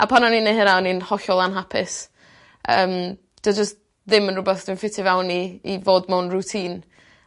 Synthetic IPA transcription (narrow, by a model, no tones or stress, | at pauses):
ʔa̰pʰananiːnːehəɾaɔninhɔɬɔlˠanɦapʰɪs | əːm | d̥ɔd͡ʒəst̚ | ðɪmənrʊbɛθd̥ɪnfɪtʰɪvɛwniːvoːdmɛwnrutʰiːn